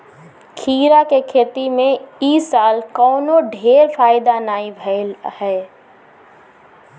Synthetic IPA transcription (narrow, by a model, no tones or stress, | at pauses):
kʰiːɾakekʰeːt̪imẽiːsaːlkɔːnoɖʱeːɾfaːɪd̪anaːibʱəlhɛː